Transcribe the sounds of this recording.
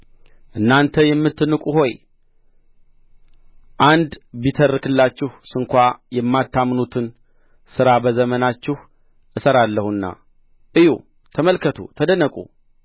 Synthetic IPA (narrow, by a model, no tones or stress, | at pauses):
ʔɨnːant̪ʰəjɛmːɨt̪ːɨnɨkʼuɦo̞j | ʔand̪bit̪ʰərːɨkɨlːat͡ʃːɪhsɨŋkʷajɛmːat̪ʰːamnut̪ʰɨn | sɨɾabəzəmənat͡ʃːɪh | ʔɨsəɾalːəhunːa̰ | ʔɨjṵ | t̪ʰəməlkʰət̪ʰṵt̪ʰəd̪ənəkʼṵ